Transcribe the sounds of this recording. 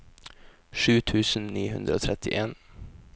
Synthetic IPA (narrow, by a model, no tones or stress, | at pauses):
ʂʉːt̪ʰʉːsn̩niːhʉnd̪ɾəoːt̪ʰɾɛt̪ʰɪʔeːn